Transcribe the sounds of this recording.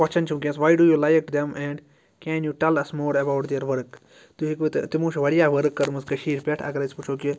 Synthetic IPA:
ɐt͡ʃɐnt͡ʃʰũk̬ʲẽsʋaːjɖuːjuːlajkʈd̪ɛmɛ̃ɳɖ | kɛːnjuʈɛlɐsmoːɾɐbawʈd̪eɾʋɐɾk | t̪uɦikʋɨt̪t̪imũːʃʋɐɽijaːʋɐɾɨkːɐɾmɐskɐʃiːɾpʲɛʈʰɐ̰ɡɐɾɐsput͡ʃʰoːki

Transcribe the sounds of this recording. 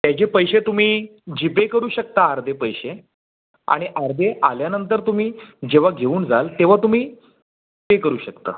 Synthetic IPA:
t̪jat͡ɕepəjɕet̪um̤iːd͡ʑipekəɾuːɕək̚t̪aːɾd̪ʱepəjɕe | a̰ɽ̃iʔaɾd̪ʱeʔaljanənt̪əɾt̪um̤iːd͡ʑeʋ̤aɡʱeuːnd͡zalt̪eʋ̤at̪um̤iː | pekəɾuːɕəkt̪a̰

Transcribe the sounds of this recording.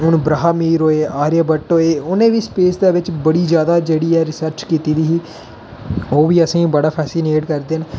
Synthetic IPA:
ʊnbɾaɦaːmiːɾɦoːeːʔaːɾjaːbəʈoːeːʊnẽːʋiːspeːsd̪eːʋɪt͡ʃbəɽiːd͡ʒjaːd̪aːd͡ʒeːɽiːɛːɾɪsəɾt͡ʃkiːt̪iːd̪iːɦiː | oːʋiːəsĩːbəɽaːpʰɛːsɪneːʈkəɾd̪eːn

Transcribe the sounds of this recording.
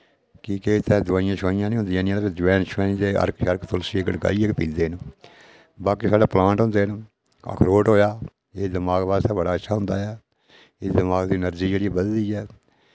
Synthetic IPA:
kiːkeːɪt̪ɛ̃ːd̪ʊʋaːɪjãːʃaːɪjãːnĩːʊ̃nd̪ɪjãːnĩãːd̪d͡ʒəʋɛːnʃʋɛːnĩt̪eːʔə̰ɾkʃəɾkt̪ʰʊlsiːɡəʈɡa̰ːiːekpĩːld̪eːn | baːkiːsaːɖaːplãːɳʈɦʊ̃nd̪eːn | ə̰kʰɾoːʈɦoːjaː | eːd̪əmaːɡʋaːst̪eːbəɽaːətːʃʰaːɦʊ̃nd̪aːɛː | ɪd̪əmaːɡd̪iːnəɾd͡ʒiːd͡ʒeːɽiːɛːbəd̪d̪iːɛː

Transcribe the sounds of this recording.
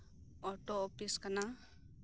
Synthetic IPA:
ɔʈɔːpiskana

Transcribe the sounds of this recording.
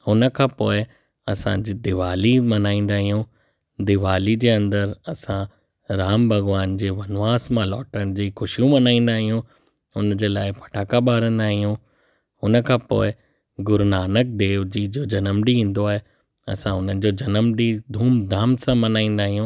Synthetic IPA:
hʊnə̆kʰãpoːɪ | ɐsã̰d͡ʑiːd̪ɪʋaːlimɐnaːĩːn̆d̪aːɦijũ | d̪ɪʋaːlid͡ʑeːɐ̃nd̪əɾɐsã | ɾaːmbʱɐɣʋaːnd͡ʑeːʋɐnʋaːsmãlɔːʈəɽ̃̆d͡ʑiːxʊʃijũmɐnaːĩːn̆d̪aːɦijũ | ʊnd͡ʑeːlaːɪpʰɐ̥ʈʰaːkaɓaːɾə̃nd̪aːɦijũ | ʊnə̆kʰãpo̰ːɪ | ɡʊɾnaːnək̚d̪eːʋd͡ʑiːd͡ʑoːd͡ʑɐnəmɖiĩːn̆d̪oaːɦe | ɐ̰sãʊnənɪ̆d͡ʑoːd͡ʑɐnəmɖid̪ʱuːmd̪ʱaːmsãmɐnaːĩːn̆d̪aːɦijũː

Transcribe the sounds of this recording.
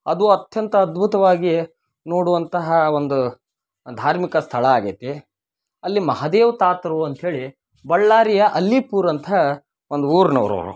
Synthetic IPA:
ɐd̪uɐt̪jɐnt̪ɐːd̪bʱut̪ɐʋaːɡi | noːɽuʋɐnt̪ɐɦɐond̪u | d̪ʱaːɾmikɐst̪ʰɐɭɐaːɡet̪e | ɐlːimɐɦad̪eːʋɐt̪aːt̪ɐɾuɐnt̪ɦeːɭi | bɐɭːaːɾijɐʔɐlːipuːɾɐnt̪ʰɐ | ond̪uuːɾnɐ̰ʋɾɐ̰ːɾṵ

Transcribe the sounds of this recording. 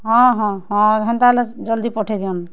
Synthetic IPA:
ɦɔ̃ɦɔ̃hɔ̃ɦɛnt̪alɛd͡ʒɔld̪ipɔʈʰɛd̪iɔn

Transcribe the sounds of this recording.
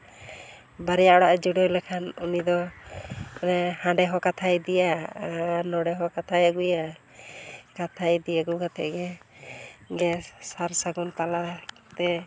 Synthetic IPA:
baɾjaʔɔɽaʔd͡ʒuɽɔjlɛkʰanunid̪ɔ | ɛhãɳɖɛɦɔkat̪ʰajd̪ija | nɔɽɛɦɔkat̪ʰajaɡuja | kat̪ʰajd̪ijaɡuɡat̪ʰɛ̰ʔɡɛ | ɡɛsaɾsaɡɔnt̪ala | t̪ɛ

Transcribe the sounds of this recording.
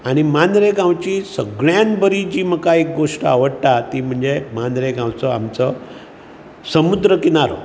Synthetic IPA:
aɽ̃imanɾeɡãwt͡ɕisəɡɭjanbəɾid͡ʑiːməkaek̚ɡoʂʈəa̰ʋəɽt̪at̪iːm̤əɳd͡zemandɾeɡãwt͡sɔamt͡sə | səmud̪ɾəkinaɾo

